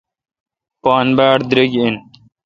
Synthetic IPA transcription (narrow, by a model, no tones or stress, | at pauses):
pɑːnbæːɽd̪ɾeɡin